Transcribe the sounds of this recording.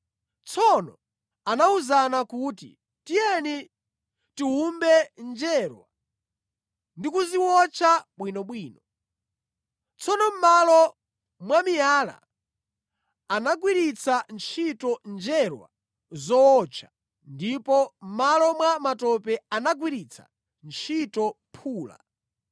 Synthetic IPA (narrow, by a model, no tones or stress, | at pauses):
t͡sʰɔnɔ | anauzanakuːtḭ | tijɛni | tiɦumbɛnd͡ʒɛɾwa | ndikuziwɔt͡ʃʰaɓwinɔɓwiːnɔ | t͡sʰɔnɔm̩malɔ | mwamijaːla̰ | anaɡwiɾit͡sʰant͡ʃʰitɔnd͡ʒɛɾwa̰ | zɔɔt͡ʃʰḁ | ndipɔm̩malɔmwamatɔpɛanaɡ̬wiɾit͡sʰḁ̰ | nt͡ʃʰitɔ | pʰuːla̰